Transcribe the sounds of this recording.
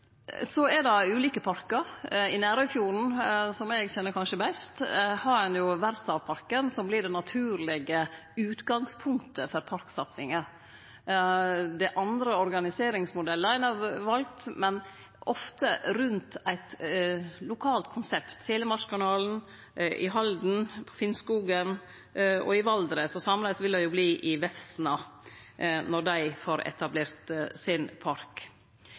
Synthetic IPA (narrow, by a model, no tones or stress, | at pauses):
sɔɛɾd̪ɑʉːliːkəpʰɑɾkəɾɪnæːɾœʏfjuːɾn̩sɔmɛɡçɛnːəɾkʰɑnʂəbɛst̪hɑɾɛnjʊʋæɾt̪sɑʋpʰɑɾkənsɔmblɪɖɛnɑt̪ʰʉːɾlɪɡə | ʉːt̪ɡɑŋspʰʊŋkt̪ʰəfɔɾpʰɑɾksɑt̪sɪŋə | d̪ɛʔɑnd̪ɾəɔɾɡɑnɪseːɾɪŋsmʊd̪ɛlːəæɪnɑɾʋɑlk̚t̪mɛn | ɔft̪əɾʉnt̪æɪt̪ | lʊkʰɑːlt̪kʰʊnsɛpt̪seːləmɑʂkʰɑnɑːln̩ | ʔɪ̰ɦɑld̪n̩pʰɔ̥fɪnskuːɡən | ɔ̰ɪʋɑld̪ɾəsɔsɑmlɛɪsʋɪld̪ɛjʊbliːʔɪʋɛfsnɑ | nɔd̪æɪfoːɾɛ̰t̪ʰɑbleːɾt̪sɪnpʰɑɾk